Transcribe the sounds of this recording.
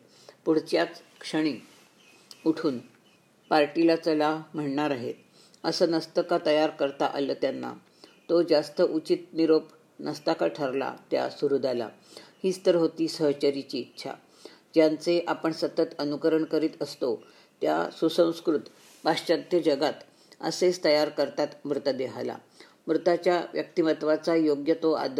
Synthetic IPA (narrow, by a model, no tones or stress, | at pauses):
puɽ̤t͡ɕjat̪ | kʂəɽ̃iː | uʈʰuːn | paɾʈilat͡səlam̤əɳɳaɾaɦḛt̪ | əsəːnəst̪əkat̪əjaɾkəɾt̪aʔa̰ləːt̪janːa̰ | t̪od͡zast̪əʔut͡ɕit̪̚niɾop | nəst̪akaʈʰəɾla̰t̪ja̰suɾud̪ʱala̰ | hiːst̪əɾɦot̪iːsəɦt͡ɕəɾit͡ɕiːtːɕʰa̰ | d͡ʑjant͡seʔapəɳsət̪ət̪ənukəɾəɳkəɾiːt̪əst̪o | t̪ja̰susə̃w̃skɾut̪ | paɕt͡ɕãt̪jəd͡ʑəɡat̪ | ə̰sest̪əjaɾkəɾt̪at̪mɾut̪əd̪eɦala̰ | mɾut̪at͡ɕjaʋjək̚t̪iʋət̪ʋat͡sajoɡjət̪oa̰d̪